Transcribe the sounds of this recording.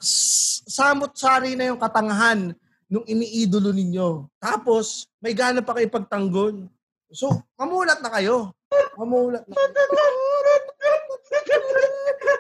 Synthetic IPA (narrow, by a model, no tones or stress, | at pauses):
ssaːmot̪̚saːɾinɐjʊŋkɐt̪ɐŋɐɦanː | ʊŋɪniʔiːd̪olonɪɲjo̞t̪aːpo̞smɐjɡaːnopɐkɐjopɐɡ̚t̪ɐŋɡo̞n | somɐmuːlɐt̪̚nɐkɐjo̞ | mɐmuːlɐt̪̚nɐ